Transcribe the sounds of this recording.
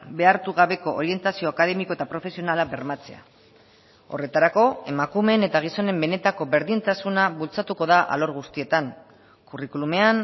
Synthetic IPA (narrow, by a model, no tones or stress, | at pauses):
be̞aɾt̪uɣ̞aβe̞ko̞ʔo̰ɾie̞nt̪asio̞akaðe̞miko̞et̪apɾo̞fe̞sio̞nalabe̞ɾmat͡se̞̰a̰ | o̞̰re̞t̪aɾako̞e̞makume̞ne̞t̪aɣ̞iso̞ne̞mbe̞ne̞t̪ako̞βe̞ɾðint̪asunaβult͡sat̪uko̞ðaʔa̰lo̞ɾɣ̞ust̪ie̞t̪aŋ | kurikulume̞an